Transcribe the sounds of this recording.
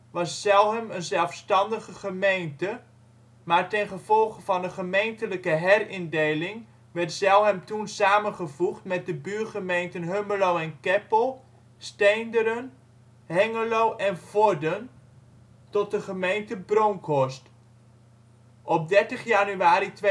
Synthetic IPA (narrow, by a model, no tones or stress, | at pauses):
ʋɑssɛlˠɦəmənzɛlˠfstɑndəχəχəmejntə | maːɹtɛnχəvɔlˠχəvɑnəχəmejntələkəɦɛrɪndejlɪŋ | ʋɛɹtsɛlˠɦɛmtunsaːmənχəvuχtmɛt̚dəbyːrχəmejntənɦøməlowɛnkɛpəlˠ | stejndəɾən | hɛŋəlowʔɛnvɔdən | tɔt̚dəχəmejntəbroŋkʰɔst | ʔɔp̚dɛɹtəχjanyaːɾitʋ